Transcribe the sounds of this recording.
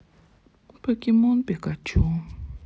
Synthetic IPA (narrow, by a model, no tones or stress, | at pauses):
pʰøʔkimonpekat͡ɕuŋ